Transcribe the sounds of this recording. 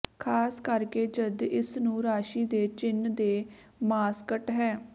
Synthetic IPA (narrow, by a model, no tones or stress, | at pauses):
kʰaːskəɾkeːd͡ʒəd̪ɪsnũːɾaːʃiːd̪eːt͡ʃɪnd̪eː | maːskəʈɦɛː